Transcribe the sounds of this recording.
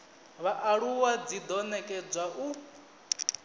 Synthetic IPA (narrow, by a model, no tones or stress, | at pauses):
βaʔaɺuwad͡zid̪ɔnɛkʼɛd͡zʷwaʔu